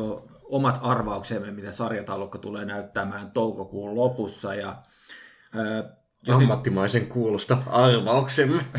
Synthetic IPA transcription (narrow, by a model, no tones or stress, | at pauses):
oomɑt̪ʰɑrʋɑuksemːemmit̪æsɑrjɑt̪ɑlokːɑt̪uleːnæyt̪ːæmæːnt̪oukokuːllopusːɑjɑ | ʋɑmːɑt̪ːimɑiseŋkuːlust̪ɑɑrʋɑuksemːe